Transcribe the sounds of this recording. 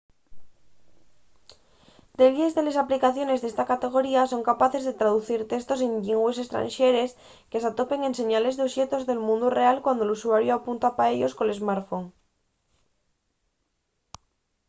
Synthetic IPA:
d̪e̞βjezðele̞saplikaθjo̞ne̞zðest̪akat̪e̞ɣ̞o̞ɾiaso̞ŋkapaθe̞zðe̞t̪ɾaðuθiɾt̪e̞st̪o̞se̞ɲʎiŋɡwese̞st̪ɾa̰nʃe̞ɾe̞s | ke̞sat̪o̞pe̞ŋe̞nse̞ɲale̞zðeoʃe̞t̪o̞zðe̞lmũnd̪ure̞alkwand̪olusuaɾjoapunt̪apaeʎo̞sko̞nle̞zmaɾfo̞ŋ

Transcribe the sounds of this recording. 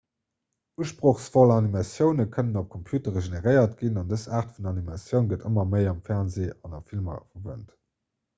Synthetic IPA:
uəʃpʁoχsfolɑnimɑsjəʊnəkʰənənop̚kʰompʰjuːtəʁeʒeneʁəɪɐtɡ̥inɑndəsaːʁtfunɑnimɑsjəʊnɡətəmɐmɜɪɑmfɛʁnzeːɑnɑmfilmɐ̰fɐvə̰nt

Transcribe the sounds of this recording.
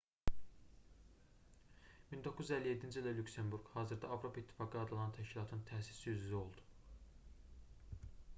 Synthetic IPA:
mind̪okʰːuzyzælːije̞d̪ːind͡ʒild̪ælʲukse̞mbuɾɡhɑːzɯɾd̪ɑɑvɾo̞pʰɑit̪ʰːi̥fɑːɡɯɑd̪ɯlˠɑnt̪ʰæʃcilˠɑt̪ʰɯnɯnt̪ʰæsi̥sijyzyzio̞lˠd̪u̥

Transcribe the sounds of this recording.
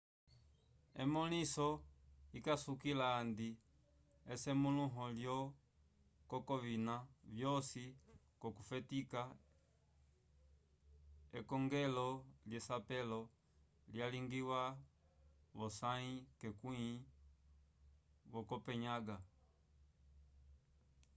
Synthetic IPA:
ɛ̰mɔlisɔikasukilaːndi | ɛsɛmuluɦɔljɔ | kɔkɔvinavjɔsi | kɔkufɛtika | ɛkɔŋɡɛlɔljɛsapɛlɔ | ljaliŋɡiwa | βɔsaikɛkui | βɔkɔpɛɲaɡa

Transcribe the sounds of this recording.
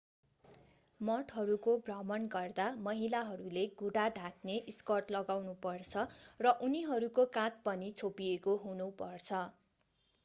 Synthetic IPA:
mʌʈʰɦʌɾukobrʌmʌnɡʌrd̪amʌɦilaɦʌɾuleɡʱuɽaɖʱakneʔiskʌrʈlʌɡawnupʌrt͡sʰʌrʌʔuniɦʌɾukokãt̪̚pʌnit͡sʰopiekoɦunupʌrt͡sʰʌ

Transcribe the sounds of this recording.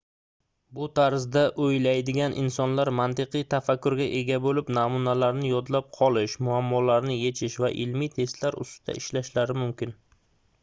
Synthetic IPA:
bʊt̪ʰaɾzd̪aʔojlajd̪ɪɡʲanʔɪ̰nsɒnlaɾmant̪ɪqɨjt̪ʰafakːʊɾɡʲaʔe̞ɡʲabolɪpnamunalaɾnɪjɒd̪lap̚qʰɒlˠɪʃmʊamːɒlaɾnɪje̞t͡ʃʰɪʃvaʔɪlmijt̪ʰe̞st̪laɾʊ̰st̪ʰa̰ʔɪʃlaʃlaɾɪmʊmkʲʰɪn

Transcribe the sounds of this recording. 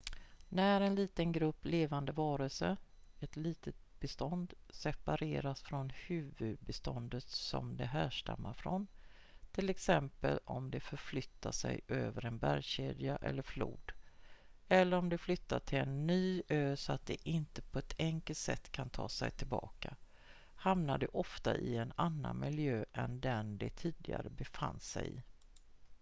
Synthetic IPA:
næɾɛnliːt̪ənɡɾɵpːleːvand̪əvɑːɾəlsəɛt̪liːt̪ʰət̪̚b̥ɛst̪ɔnd̪ | sɛpaɾeːɾasfɾɔnhʉ̟ːvɵd̪̚bɛst̪ɔnd̪ət̪sɔ̰md̪ɛɦæːʂʈa̰mːaɾfɾɔn | t̪ʰɪlɛksɛmpə̰lɔmd̪ɛfœɾflʏt̪ːaʂɛ̰jʔøːvəɾɛnbæɾjɕeːd̪jaʔɛlːəɾflṵːd̪ | ɛlːəɾɔmd̪ɛflʏt̪ːat̪ʰɪlɛnːyːøːsɔat̪̚d̪ɛʔɪnt̪əpʰɔɛt̪ʰɛŋkəlt̪sɛt̪ːkʰant̪ʰɑːsɛjt̪ʰɪlbɑːka | hamnad̪ɛʔɔft̪aʔɪɛnanːanmɪljøːʔɛnd̪ɛnd̪ɛt̪ʰiːd̪ɪɡa̰ɾəbɛfanːsɛjɪ̰

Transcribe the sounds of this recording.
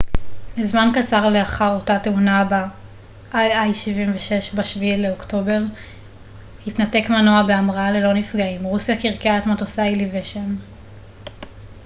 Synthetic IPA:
bizmankat͡saʁleaχaʁo̞tateunaba | ʔajajʃivimveʃe̞ʃbaʃvileokto̞be̞ʁ | hitnate̞kmanoabe̞amʁaale̞lo̞nifɡaimʁusjakiʁkeaetmatosailiveʃen

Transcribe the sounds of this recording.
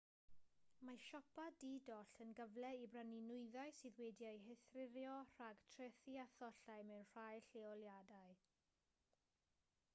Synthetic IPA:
maʃɔpʰadidɔɬənɡəvlɛibraninʊɨðaɨsiðwɛːdjajɦɛθrɪɾjɔr̥aɡ̥tʰrɛθiaθɔɬajmɛwnr̥ajɬeɔljadaɨ

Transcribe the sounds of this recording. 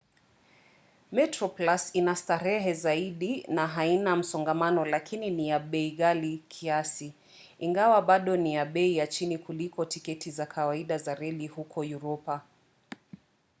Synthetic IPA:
mɛtɾɔplasinastaɾɛɦɛzaiɗinaɦainam̩sɔŋɡamanɔlakʰininijaɓɛiɣalikʰiasi | iŋɡawaɓaɗɔnijaɓɛijat͡ʃinikulikɔtikɛtizakʰawaiɗazaɾɛlihukʰɔjuɾɔpa

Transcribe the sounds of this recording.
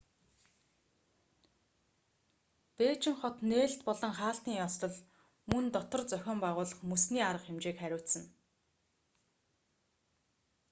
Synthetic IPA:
t̪eːt͡ɕɪ̆ŋχɔt̪neːɮt̪pɔɮɞ̆ŋχaːɬt̪iːŋjɔst̪ɞ̆ɮ | mɵnt̪ɔt̪ɞ̆rt͡sœxʲɔːmpæʁʊːɮə̆χmɵsniːaɾə̆qemt͡ɕeːkχæɾʲʊːt̪sə̆n

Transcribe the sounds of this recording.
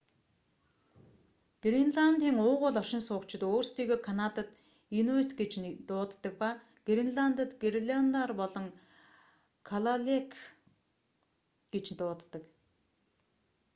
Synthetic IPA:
ɡ̥rinɮant̪iːŋʊːʁʊːɮɔʃɪ̆nsʊːkt͡ɕɪ̆t̪oːrst̪iːɣoːkʰanat̪ə̆t̪ | inuet̪ɡet͡ɕt̪ʊːt̪ːə̆k̚pa | ɡ̥ɾinɮant̪ə̆t̪ɡerɮʲant̪arpɔɮɞ̆ŋ | kʰaɮaɮekʰ | ɡ̥et͡ɕnt̪ʊːt̪ːɞ̆k

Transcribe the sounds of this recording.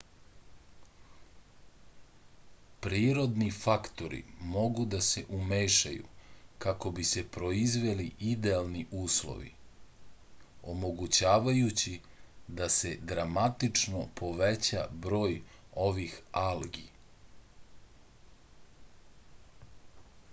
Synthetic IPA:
pɾiːɾo̞d̪nifakt̪o̞ɾḭmo̞ɡud̪ase̞ʔumeːʃa̰jṵkako̞bise̞pɾo̞izʋe̞liʔid̪ealˠniʔuːslo̰ʋḭ | o̞mo̞ɡut͡ɕaːʋajut͡ɕi | d̪ase̞d̪ɾamat̪it͡ʂnopʰo̞ʋet͡ɕabɾo̞ːjo̞ʋixalɡi

